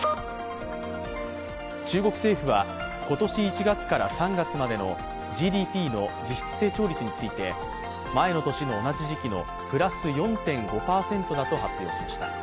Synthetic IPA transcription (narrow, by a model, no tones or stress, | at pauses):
t͡ɕɨːɡo̞kɯ̟se̞ːɸɯ̟βa | ko̞t̪o̞ɕiːt͡ɕiɡat͡sɨ̥kaɾa̰sãŋɡat͡sɨmad̪e̞no̞ | ʑiːd̪ʲiːpʲiːno̞d͡ʑiɕi̥t͡sɨ̥se̞ːt͡ɕo̞ːɾʲit͡sɨɲ̟it͡sɨit̪e̞ | mae̞no̞t̪o̞ɕino̞ːnad͡ʑiʑikʲino̞̰ | pɯ̟ɾasɨjõ̞nt̪ẽ̞ŋɡo̞paːsẽ̞nt̪o̞d̪at̪o̞ɦapʲjo̞̰ːɕimaɕi̥t̪a̰